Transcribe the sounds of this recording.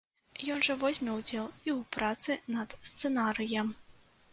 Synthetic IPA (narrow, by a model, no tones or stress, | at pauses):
jɔnʐɐvɔzʲmʲɛwd͡zʲɛlˠiwpɾat̪sɨnɐd̪̥st̪sɛnaɾɨjɐm